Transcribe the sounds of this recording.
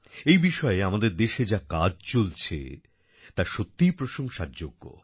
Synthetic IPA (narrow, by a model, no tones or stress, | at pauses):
ejbiʃɔeamad̪eɾd̪eʃed͡ʑakad͡ʑt͡ɕolt͡ɕʰḛ | t̪aɾʃot̪ːijpɾoʃoŋʃaɾd͡ʑoɡːo̰